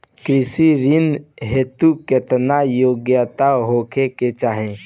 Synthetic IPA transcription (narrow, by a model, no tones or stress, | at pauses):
kɾɪsiɾɪnɦet̪ukɪt̪najoːɡjət̪aɦoːkʰeket͡ʃaːɦẽ